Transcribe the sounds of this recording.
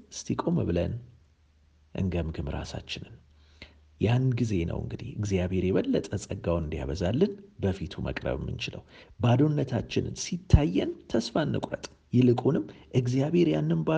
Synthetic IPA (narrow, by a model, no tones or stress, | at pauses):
ɨst̪ʰikʼo̞mɨβɨlə̰n | ʔɨ̰ŋɡəmɡɨmɾa̰sa̰t͡ʃːɪnɨn | janɡize̞nə̰wɨŋɡɨd̪ḭhɨɡzijaβe̞ɾjɛβəlːət̪ʼəsʼəɡːawnɨnd̪ja̰βəzalːɨnbəfit̪ʰumʔə̰kʼɾə̰βmːɨ̰nt͡ʃɪlə̰wbad̪o̞nːət̪ʰat͡ʃːɪnɨ̰nsit̪ʰːajːɛnt̪ʰəsfanːɨ̰kʼɾət̪ʼ | jɪlɨkʼunɨmːʔɨɡzijaβe̞ɾjanːɨnba